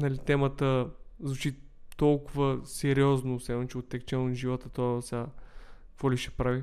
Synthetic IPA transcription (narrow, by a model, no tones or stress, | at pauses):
nɐlit̪ɛmət̪əzvut͡ʃit̪ɔlˠkʊvəsɛɾiɔznosɛont͡ʃɛot̪ːɛkt͡ʃɛnoʒivot̪ət̪osʲa | kfɔliʃɛ̥pɾavi